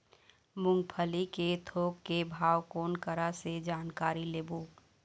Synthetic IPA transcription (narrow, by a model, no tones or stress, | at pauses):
mʊ̃ŋɡpʰəliket̪ʰoːkːebʱaːwkoːnkəɾased͡ʒaːnkaːɾileːboː